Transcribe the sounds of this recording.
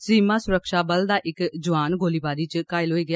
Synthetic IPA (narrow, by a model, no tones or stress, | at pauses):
siːmãːsʊɾəkʃaːbəld̪aːʔɪkd͡ʒʊʋaːnɡoːliːbaːɾiːt͡ʃkaːɪlɦoːiːɡɪjaː